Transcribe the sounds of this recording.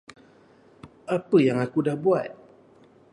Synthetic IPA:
ʔapəjaŋakudahbuat̪̚

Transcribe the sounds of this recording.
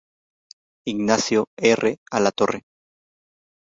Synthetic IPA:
iɡnasjoerʔealat̪o̞re

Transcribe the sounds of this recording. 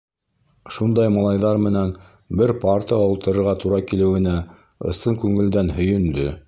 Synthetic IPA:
ʃund̪ɑjmɑlˠɑjðɑɾmɘ̆næn | bɘɾpɑɾt̪əjɑulˠt̪ɤ̆ɾɤ̆ɾʁɑt̪uɾɑkilɘ̆wɘ̆næ | ɤ̰̆st̪ɤŋkʉŋɘ̆ld̪ænhɵ̆jɵ̆nd̪ɵ

